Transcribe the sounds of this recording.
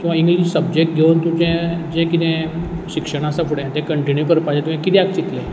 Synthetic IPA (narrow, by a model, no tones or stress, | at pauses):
kĩw̃ʋaĩŋɡliɕsəb̚d͡ʑek̚ʈ̚ɡʱent̪ũd͡ʑẽd͡ʑɛ̃kit̪ɛ̃ɕikʂəɽ̃asãpʰuɽẽjãt̪ẽkəɳʈinjupəɾpad͡ʑãt̪ʋẽkit̪ẽak̚t͡ɕit̪le